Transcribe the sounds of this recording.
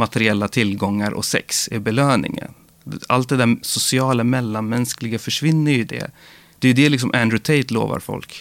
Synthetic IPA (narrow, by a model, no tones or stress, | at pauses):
mat̪ɛɾɪɛlːat̪ʰɪlɡɔŋːaɾʔɔ̰sɛ̰ksɪbɛløːnɪ̰ŋə̰n | a̰lt̪̚d̪ɛd̪æsʊsɪɑːlamɛlːanmɛnsklɪɡafœʂvɪnːəɾjɵd̪ɛ̰ | d̪̥ɛjɵd̪ɛlɪks̬ɔmʔænd̪ɾʊt̪ʰeɪt̪lo̰ːva̰ɾfɔ̰lk